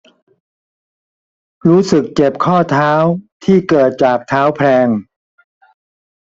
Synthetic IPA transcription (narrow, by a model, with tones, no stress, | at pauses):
ɾuː˦˥sɯ˨˩k̚t͡ɕe˨˩p̚kʰɔː˥˩t̪ʰaː˦˥wt̪ʰiː˥˩kɤː˨˩t̪̚t͡ɕaː˨˩k̚t̪ʰaː˦˥wpʰɾɛː˧ŋ